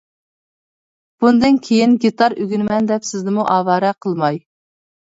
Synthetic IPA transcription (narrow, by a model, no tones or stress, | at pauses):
b̥und̪ɨnkʲʰejinɡʲit̪ʰɑɾyɡʲynɪmɛnd̪ɛpsɪznɪmuʔɑːvɑːɾɛqʰəlˠmɑj